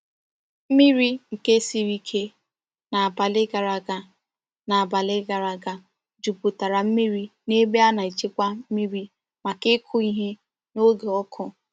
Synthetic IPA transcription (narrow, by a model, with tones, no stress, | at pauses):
m̩˦mi˦ɾi˦ŋ̩˨ke˦si˦ɾi˦kʰe˦ | na˨a˨ba˨lɪ˦ɡa˨ɾa˨ɡa˨ | na˨a˨ba˨lɪ˦ɡa˨ɾa˨ɡa˨ | d͡ʒu˨pu˨ta˨ɾa˨m̩˦mi˦ɾi˦ne˦be˦a˦na˨i˨t͡ʃe˦kʷa˦m̩˦mi˦ɾi˦ | ma˨kɪ˦kʰʊ˦i˦ɦe˦ | no˦ɡe˨ɔ˦kʰʊ˦